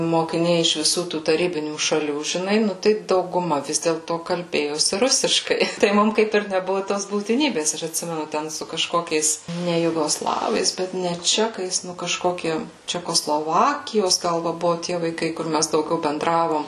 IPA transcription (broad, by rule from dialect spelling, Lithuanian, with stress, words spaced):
moːkʲɪˈnʲɛɪ ɪʃ ʋʲɪˈsuː tuː tɐˈrʲiːbʲɪnʲuː ʃɐˈlʲuː ʒʲɪˈnɐɪ ˈnʊ tɐɪ dɐʊɡʊˈmɐ ˈʋʲɪs dʲeːlˠtoː kɐlʲˈbʲeːjoːsʲɪ ˈrʊsʲɪʃkɐɪ tɐɪ ˈmʊm ˈkɐɪp ɪr nʲɛˈbʊʋʊ toːs buːtʲɪˈnʲiːbʲeːs ˈɐʃ ɐtʲˈsʲɪmʲɛnʊ ˈtʲɛn sʊ kɐˈʃkoːkʲɛɪs ˈnʲɛ jʊɡoːˈslˠɑːʋɐɪs bʲɛt nʲɛ ˈt͡ʃʲæːkɐɪs ˈnʊ kɐˈʃkoːkʲɪ t͡ʃʲɛkoːˈslˠoːʋɐkʲɪjoːs ˈɡɐlˠ ˈʋɐ ˈbʊʋʊ tʲiɛ ʋɐɪˈkɐɪ kʊr ˈmʲæs dɐʊˈɡʲɛʊ bʲɛnˈdrɑːʋoːm